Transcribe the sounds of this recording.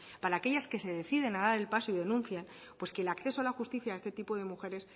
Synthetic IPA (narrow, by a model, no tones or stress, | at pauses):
paɾaːke̞ʝaske̞se̞ð̞e̞θiðe̞naðaɾelpaso̞ið̞e̞nũnθjan | pwe̞ske̞ːlakθe̞soalaxust̪iθjaːe̞st̪e̞t̪ipoð̞e̞muxe̞ɾe̞s